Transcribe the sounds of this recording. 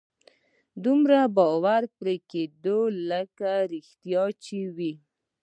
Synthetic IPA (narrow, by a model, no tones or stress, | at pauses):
d̪umɾabɑwaɾpɾeked̪oləkaɾɪxt̪jɑt͡ʃewi